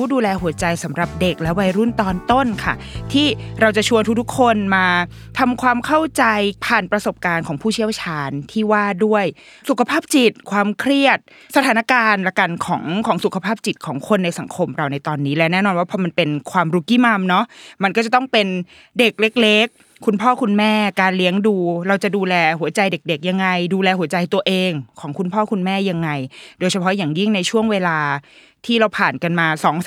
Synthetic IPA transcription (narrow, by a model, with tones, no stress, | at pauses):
uː˦˥duː˧lɛː˧hu˩˦ɐt͡ɕa˧jsa˩˦mɾa˨˩p̚de˨˩k̚lɛ˦˥wa˧jɾu˥˩nt̪ɔː˧nt̪o˥˩nkʰa̰˥˩ | t̪ʰiː˥˩ɾa˧wt͡ɕa˨˩t͡ɕʰu˧ənt̪u˦˥k̚t̪ʰu˥kʰːo˧nmaː˧t̪ʰa˧mkʰwaː˧mkʰa˥˩wt͡ɕa˧jpʰaː˨˩npɾa˧so˨˩p̚kaː˧nkʰɔː˩˦ŋpʰuː˥˩t͡ɕʰi˦˥˩əwt͡ɕʰaː˧nt̪ʰiː˥˩waː˥˩du˥˩əj | su˨˩kʰa˧pʰaː˥˩p̚t͡ɕi˨˩t̪̚kʰwaː˧mkʰɾi˥˩ət̪̚ | sa˧t̪ʰaː˩˦na˦˥kaː˧nla˧˩ka˧nkʰɔ̰ː˩˦ŋkʰɔː˩˦ŋsu˨˩kʰa˧pʰaː˥˩p̚t͡ɕi˨˩t̪̚kʰɔː˩˦ŋkʰo˧nːa˧jsa˩˦ŋkʰo˧mɾa˧wna˧jt̪ɔː˧nːiː˦˥lɛ˦˥nɛː˥˩nɔː˧nwaː˥pʰɔ˧ma˧npe˧nkʰwaː˧mɾuː˧˥kiː˥˩˨ma˧mnɔ˦˥ʔma˧nkɔ˥˩t͡ɕa˨˩t̪ɔ˥˩ŋpe˧n | de˨˩k̚le˦˥k̚le˦˥kʰː | u˧npʰɔː˥˩kʰu˧nmɛː˥˩kaː˧nli˦˥əŋduː˧ɾa˧wt͡ɕa˨˩ʔduː˧lɛː˧ɦu˩˦ɐt͡ɕa˧jde˨˩k̚de˨˩k̚ja˧ŋːa˧jduː˧lɛː˧hu˨˩˦ət͡ɕa˧jt̪u˧ɐʔeː˧ŋkʰɔː˩˦ŋkʰu˧npʰɔː˥˩kʰu˧nmɛː˥˩ja˧ŋːa˧jdoː˧jt͡ɕʰa˧pʰɔ˦˥jaː˨˩ŋji˥˩ŋna˧jt͡ɕʰu˥˩əŋweː˧laː˧ | t̪ʰiː˥˩ɾa˧wpʰaː˨˩nka˧nmaː˧sɔː˩˦ŋ